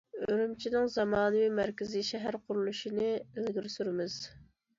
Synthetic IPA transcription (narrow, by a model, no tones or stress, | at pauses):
øøɾymt͡ʃʰinɪŋzɑmɑːnɨwimæɾkʲɪziʃɛɦæɾqʰʊɾulˠuʃinɨezɡʲiɾsyɾɪmɪz̥